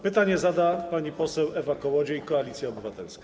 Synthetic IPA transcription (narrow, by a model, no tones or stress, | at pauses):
pɘt̪aɲɛzad̪apaɲipɔsɛwɛvakɔwɔd͡ʑɛikɔalʲit̪sʲjaɔbɘvat̪ɛlskḁ